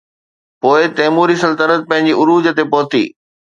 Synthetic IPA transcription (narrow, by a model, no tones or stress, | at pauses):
poːɪt̪ɐːmuːɾisɐlt̪əɾət̪̚pɐ̃ɦɪ̃ɲd͡ʑiʊɾuːd͡ʑət̪epɔːt̪ḭː